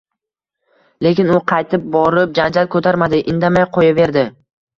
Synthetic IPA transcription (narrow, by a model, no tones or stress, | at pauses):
le̞kʲɪnʊqʰɑjt̪ʰɪp̚bɒɾɪp̚d͡ʒand͡ʒalkʰot̪ʰaɾmad̪ɪʔɪnd̪amajqʰojave̞ɾd̪ɪ